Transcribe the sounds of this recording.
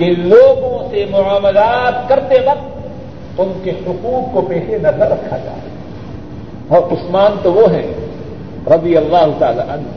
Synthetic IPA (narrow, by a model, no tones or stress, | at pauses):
kɪnloːɡõsemʊʕaːməlaːt̪kɐɾt̪ebɐ | ʊnkehʊquːk̚kopɛːʃenɐzəɐɾːɐkʰːad͡ʒa̰ː | ɔːɾʊsmaːnt̪oʋoɦɛ̰̃ | ɾɐd̪ijɐlːaːɦʊt̪a̰ːla̰ːʔɐn